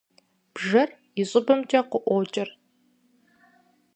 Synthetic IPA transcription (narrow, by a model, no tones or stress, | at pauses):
b̥ʒɐr | ɪɕʼɪbɐmt͡ʃʼɐqʷʊʔʷoːt͡ʃʼɪr